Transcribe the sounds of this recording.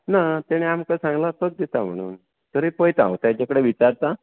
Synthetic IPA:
nat̪jaɽ̃iamkasãŋɡlat̪ək̚d̪et̪am̤ə̰ɽ̃ṵːn | t̪əɾepəjt̪ã̰wt̪jãt͡ɕakəɽeʋit͡ɕaɾt̪a

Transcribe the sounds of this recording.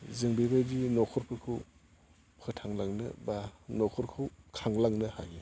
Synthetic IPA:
zɯŋbibajdinɔkʰɔɾpʰɯkʰɯw | pʰɯtʰaŋlaŋnɯ̰banɔkʰɔɾkʰɯwkʰaŋlaŋnɯha̰ɡi

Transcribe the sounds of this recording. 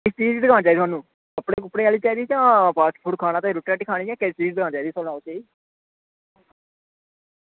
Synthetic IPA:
ɪst͡ʃiːd͡ʒd̪əɡaːnt͡ʃaːid̪ʰaːnũː | əpɽeːkʊpːɽeːaːliːt͡ʃaːiːd̪iːt͡ʃãːpʰaːsʈpʰuːɽkʰaːnaːt̪eɾʊʈɾɛːʈiːkʰaːɽ̃iːɛ̃ːkest͡ʃiːd͡ʒd̪ɡãːnt͡ʃaːiːd̪iːsolnaːot͡ʃaːi

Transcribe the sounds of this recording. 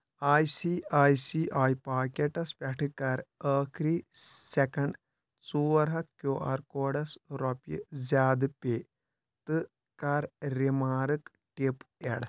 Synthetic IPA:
aːjsiaːjsiːʔaːjpaːkeʈɐspʲɐʈʰɨkɐɾəːkʰɾiːsekɐɳɖ | t͡suːɐɾɦɐt̪ʰkjoːʔɐ̰ɾkoːɖɐsɾɔpḭzʲaːd̪ɨpeː | t̪ɨ | kɐɾɾimaːɾɨk | ʈipeɽ

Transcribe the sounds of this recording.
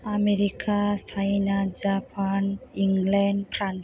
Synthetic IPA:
ameɾikʰasʰainad͡ʒapaniŋɡlɛnpɾan

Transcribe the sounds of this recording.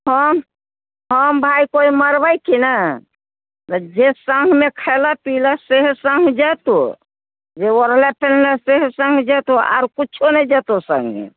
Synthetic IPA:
həm | ɦəmbʱaikoiməɾbəjkʰinə | t̪əd͡ʒesəŋɡʱmekʰəlapiləseɦsəŋɡʱd͡ʒɛt̪o | d͡ʒeoɾlepelləseɦsə̃ŋɡʱd͡ʒɛt̪oa̰ɾkut͡ʃʰunəid͡ʒɛt̪osə̰̃ŋɡmḛ

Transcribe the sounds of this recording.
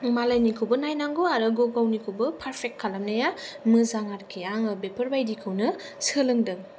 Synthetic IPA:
malajnikʰɯwbɯnajnaŋɡoaɾɯɡoɡawnikʰɯwbɯpʰaɾpʰek̚t̚kʰːalamnɐjamɯzaŋaɾkʰijaŋɯbepʰɐɾbajdikʰɯwnɯ | sɯlɯŋdɯŋ

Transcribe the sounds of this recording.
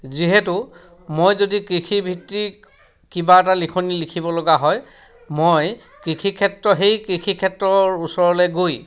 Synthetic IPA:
ziɦɛtʊ | mojzodikɹikʰibʱitːi | kibaɛt̬alikʰonilikʰibɔlɔɡaɦɔj | moj | kɹikʰikʰɛtɹɔɦejkɹikʰikʰɛtɹɔɹusɔɹɔlɛɡoj

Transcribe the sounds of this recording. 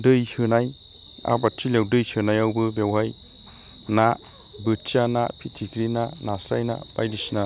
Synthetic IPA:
dɯjsɯnaj | a̰batʰːilewdɯjsɯnajawbɯbewɦaj | na | bɯt͡ʃanapʰitʰikɾinanasajna̰pa̰jdisina

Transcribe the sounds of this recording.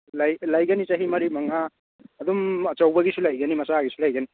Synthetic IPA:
lajlajɡɐnit͡ʃaɦimɐɾimɐŋaː | d̪umɐt͡ʃɐwbɐɡisulajɡɐnimɐsaɡisulajɡɐni

